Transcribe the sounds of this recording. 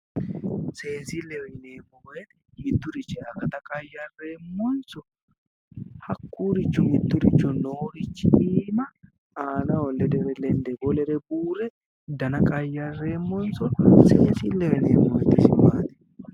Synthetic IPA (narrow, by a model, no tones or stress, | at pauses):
se̞ːsɪlːɛɔjɪneːmːɔwɔjɛn | mɪd̪ːʊɾɪt͡ʃːɛɐɡɐt̪ɐkʼɐjːɐreːmːɔnsɔ | hɐkːuːɾɪt͡ʃːɔmɪd̪ːʊɾɪt͡ʃːɔnoːɾɪt͡ʃːɪdiːmɐ | aːnɐɔlːɛd̪ɛɾɛlɛnd̪ɛbɔlɛɾɛbuːɾɛ | d̪ɐnɐkʼɐjːɐrːeːmːɔnsɔseːsilːɛɔjnḛːmːɔjt̪ːɪsɪbaːt̪ɛ̥